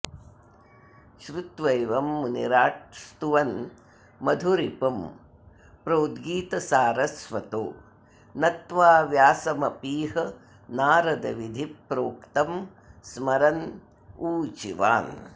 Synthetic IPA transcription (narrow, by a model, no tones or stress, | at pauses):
ʃɾut̪ʋɐjʋɐmːunḭɾaːʈ̚st̪uʋɐn | mɐd̪ʱuɾipɐm | pɾoːd̪ɡiːt̪ɐsaːɾɐsʋɐt̪o̰ː | nɐt̪ʋaːʋjaːsɐmɐpiːɦɐ | naːɾɐd̪ɐ̰ʋid̪ʱipɾoːkt̪ɐm | smɐɾɐn | uːt͡ʃḭʋa̰ːn